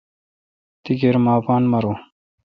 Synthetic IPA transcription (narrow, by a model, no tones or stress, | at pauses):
t̪iɡeɾmaːpaːnmɐɾoː